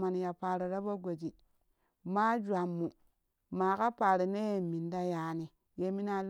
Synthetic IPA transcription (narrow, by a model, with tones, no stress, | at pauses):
ma˨n˨ja˨paː˨ɾi˨ɾa˦ba˦ɡo˨d͡ʒi˨ | ma˦d͡ʒwa˨mːu˨ | maː˨ka˦pa˨ɾi˨ne˦je˦˨mi˨n˦da˦ja˨˦ni˨ | je˦mi˦na˦l